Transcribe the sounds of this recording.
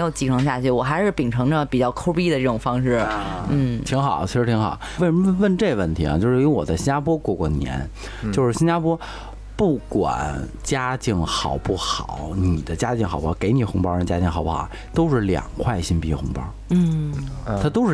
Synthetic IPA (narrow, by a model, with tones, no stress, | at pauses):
jo˧˩ʊt͡ɕi˧˥˩ʈ͡ʂʰɤ˧˥ŋɕja˥˧t͡ɕʰy˥˩wɔ˨˩xa˧˥ɪʂɻ̩˥˩pi˨˩ŋʈ͡ʂʰɤ˧˥ŋdə˧˩pi˨˩t͡ɕjɑ˥˧ʊkʰo˥ʊpi˥d̪ə˨ʈ͡ʂɤ˥˩ʈ͡ʂʊ˨˩ŋfɑ˥ŋʂɻ̩˥˩n̩˥˩t̪ʰi˧˥ŋxɑ˨˩˦t͡ɕʰi˧˥ʂɻ̩˧˥t̪ʰi˧˥ŋxɑ̰˨˩˦ʊwɪʂə˧˥ə˥˧wə˥˧nʈ͡ʂe˥˩ɡə˩ʋə˥˩nt̪ʰi˧˥a̰˧t͡ɕjo˥˧ʊʂɻy˧˥wɔ˨˩d̪ə˦ɕi˥nt͡ɕja˥pʰwɔ˥kwɔ˥˧˩kwɔ˥˩njɛ̰˧˥n | t͡ɕjo˥˧ʊʂɻ̩˥˩ɕi˥nt͡ɕja˥pʰwɔ˥ | pu˥˩kwa̰˨˩˦n | t͡ɕja˥t͡ɕi˥˩ŋxɑ˨˩ʊpu˥˩xɑ˨˩˦ʊni˨˩d̪ə˦t͡ɕja˥t͡ɕi˥˩ŋxpu˥˩xɑ̰˨˧˩ke˧˥ɪni˨˩xʊ˧˥ŋpɑ˥ɻə˧t͡ɕja˥t͡ɕi˥˩ŋxʊpu˥˩xɑ̰˨˩˦t̪o˥ʊʂɻ̩˥˩ljɑ̰˨˩ŋkʰwa˥˩ɪɕi˥npi˧˥˩xʊ˧˥ŋpɑ̰˥ | n̩˥˩t̪ʰa˥t̪o˥ʊʂɻ̩˥˩